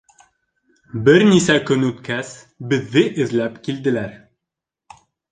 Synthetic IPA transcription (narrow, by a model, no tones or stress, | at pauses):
bɘɾnisækɵnʉt̪kæs | bɘ̆ðːɘʔɘ̆ðlæpkild̪ɘ̆læɾ